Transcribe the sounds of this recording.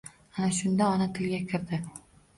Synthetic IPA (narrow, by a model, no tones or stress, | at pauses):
anaʃʊnd̪aɒnat̪ʰɪlɡʲakʲʰɪɾd̪ɪ